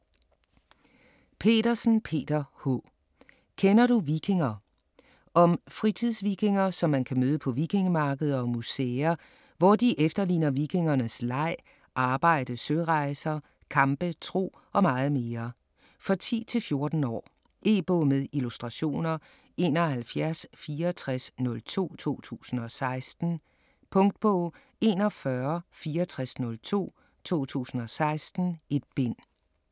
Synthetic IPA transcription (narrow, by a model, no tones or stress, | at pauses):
pʰe̝̰ːɾ̥ɐsn̩pʰe̝̰ːd̥ɐhɔ | kʰenɐɾ̥uʋiɡ̥ʰe̝ŋɐ | ʔɒ̽mfʁit͡sʰið̰ˠsʋiɡ̥e̝ŋɐsɒ̽mːænkʰæmøːðˠəpʰɒ̽ʋiɡ̥ʰe̝ŋəmɑ̈ːɡ̥əð̞̩ˠɒmuseɐ | ʋɒd̥iʔefd̥ɐliːnɐʋiɡ̥ʰe̝ŋɐnəslɑ̈ɪ̰ | ʔɑ̈ːb̥ɑ̈ɪ̰d̥əsøːʁɑ̈ɪsɐ | kʰɑ̈mb̥ət͡sʰʁo̝̰ː | ʔɒ̽mɑ̈ːð̞̩ˠme̝ːɐ | fɒ̽t͡sʰḭːt͡sʰe̝lfjo̝ɐd̥n̩ɒ̰ː | ʔe̝̰ːb̥ɔːmeðˠilusd̥ʁɑ̈ɕo̝̰ːnɐ | e̝̰ːnɒ̽hælfjæɐsfiːɐɒt͡sʰʁasnɔ̽lt͡sʰo̝̰ːt͡sʰo̝̰ːt͡sʰṵːsn̩ɒ̽sɑ̈ɪsd̥n̩ | pʰɔ̽ŋd̥̚b̥ɔː | e̝ːnɒ̽fɶɐfiːɐɒt͡sʰʁasnɔ̽lt͡sʰo̝̰ː | t͡sʰo̝̰ːt͡sʰṵːsn̩ɒ̽sɑ̈ɪsd̥n̩e̝d̥̚b̥en̰